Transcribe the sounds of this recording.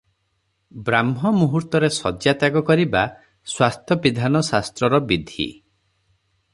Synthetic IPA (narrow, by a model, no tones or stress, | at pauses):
bɾamɦɔmuɦuɾt̪ɔɾesɔd͡ʒjat̪aɡɔkɔɾiba | swast̪ʰjɔpid̪ʱanɔsast̪ɾɔɾɔbid̪ʱḭ